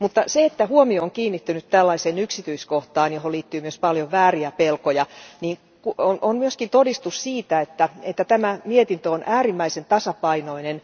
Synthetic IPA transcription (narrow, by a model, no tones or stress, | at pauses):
mut̪ːɑseet̪ːæhuomioːŋkiːnːit̪ːynyt̪t̪ælːɑiseːnyksit̪yiskoht̪ɑːnjoholiːt̪ːyːmyøspɑljoʋʋæːriæpelkojɑniːŋ | kuononmyøskint̪odist̪ussiːt̪æet̪ːæet̪ːæt̪æmæmiet̪int̪øonʔæːrimːæisent̪ɑsɑpɑinoinen